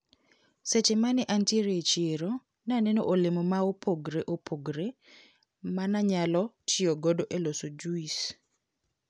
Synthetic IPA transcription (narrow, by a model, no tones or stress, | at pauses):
set͡ʃemanɛʔanteɾet͡ʃeɾo | nanɛno̰ʔolɪmomaopʰoɡɾeʔopʰoɡɾe | manaɲalɔtɪoɡodoʔelosod͡ʒuis